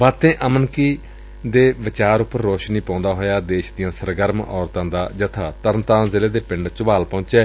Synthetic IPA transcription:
ʋaːt̪ẽːʔəmənkiː | d̪eːʋɪt͡ʃaːɾʊpːəɾːoːʃniːpãːnd̪aːɦoːjaːd̪eːʃd̪ɪjãːsəɾɡəɾmɔːɾt̪ãːd̪aːd͡ʒət̪ʰaːt̪əɾnt̪ãːzɪleːd̪eːpɪɳɖt͡ʃʊʋaːlpɔ̃ːt͡ʃɛː

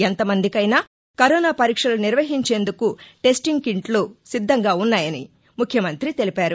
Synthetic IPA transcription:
ent̪ɐmɐnd̪ikɐjnaː | kɐɾɔːnaːpɐɾiːkʂɐluniɾʋɐɦiɲt͡ʃe̞ːnd̪ukuʈe̞sʈiŋɡkiɳʈloːsid̪ʱːɐŋɡaːunːaːjɐnḭ | mukʰjɐmɐnt̪ɾit̪e̞lipaːɾu

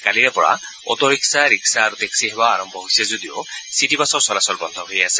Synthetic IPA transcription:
kaliɹɛpɔɹa̰ | ɔ̰t̪ɔɹiksaɹiksaːɹut̪eksiɦɛbaːɹɔmbʱɔɦsɛzodio̰sitipasɔɹsɔlasɔlbɔnd̪ʱɔɦojasɛ

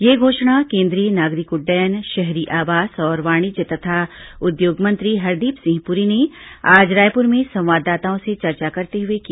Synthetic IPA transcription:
jeːɡʱoːʃɽ̃akẽːnd̪ɾiənaːɡɾɪkʊɖɛːnʃɛɦɾiʔaːʋaːsɔːɾʋaːɽ̃id͡ʒət̪ɐt̪ʰaʊd̪joːɡmɐ̃nt̪ɾiɦɐɾd̪iːpsɪ̃ŋɦɡpʊɾineaːd͡ʒɾaːjpʊɾmẽsɐ̃w̃ʋaːd̪ːaːt̪aõset͡ʃɐɾt͡ʃakɐɾt̪eɦʊekia

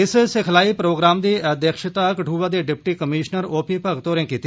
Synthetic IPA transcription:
ɪssɪkʰlaːiːpɾoːɡɾaːmd̪iːəd̪ekʃɪt̪aːkəʈʰuːʋaːd̪eːɖɪp̚ʈiːkəmiːʃnəɾoːpʰiːpəɡt̪oːɾẽːkiːt̪i

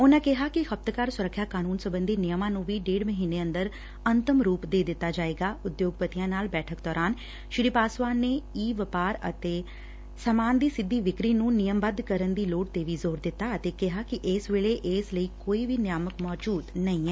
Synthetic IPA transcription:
ʊnãːkɪɦaːkɪhəp̚t̪kaːɾsʊɾəkʰːjaːkaːnuːnsəbənd̪iːnɪjəmãːnũːʋiːɖeːɽməɦiːneːə̃nd̪əɾ | ənt̪əmɾuːpd̪eːd̪ɪt̪ːaːd͡ʒaːeːɡaːʊd̪joːɡ̚pət̪ijãːnaːlbɛːʈʰəkd̪ɔːɾaːn | ʃɾiːpaːsʋaːneːiːʋəpaːɾə̰t̪eː | səmaːnd̪iːsɪd̪ːiːʋɪkɾiːnũːnɪjəmbəd̪kəɾənd̪iːloːɽ̚t̪eːʋiːzoːɾd̪ɪt̪ːaːət̪eːkɪɦaːkɪʔɪsʋeːɭeːʔɪsləiːkoːiːʋiːnjaːməkmɔːd͡ʒuːd̪nəĩːɛː

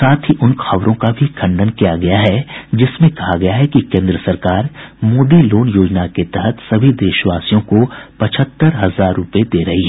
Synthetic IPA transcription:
saːt̪ʰɦiʔʊnxɐʋɾõkabʱikʰɐ̃ɳɖənkijaɡɐjaɦɛd͡ʒɪsmẽkɐɦaɡɐjaɦɛkikẽːnd̪ɾəsɐɾkaːɾmoːd̪iloːnjoːd͡ʒnaket̪ɛɦət̪sɐbʱid̪eːʃʋaːsijõkopɐt͡ʃʰət̪ːəɾɦɐzaːɾːʊped̪eːɾɐɦiɦɛː

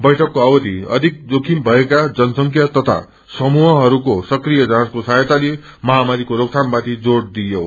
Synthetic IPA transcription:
bʌjʈʰʌkːoawʌt̪iʌ̰d̪ʱik̚d͡z̪okʰimbʱʌekad͡zʌnsʌŋkʰjʌt̪ʌt̪ʰa̰ | sʌmuɦʌɦʌɾukosʌkrijʌd͡zãskosajet̪ale | mʌɦamaɾikoɾoksʰanbat̪id͡zoɽd̪ijo

